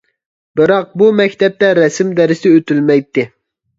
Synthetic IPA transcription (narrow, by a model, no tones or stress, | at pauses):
bɨɾɑq̚bumɛkʲt̪ʰɛp̚t̪ɛɾɛsɪmd̪ɛɾɪsɪøt̪ylmɛjt̪ːɪ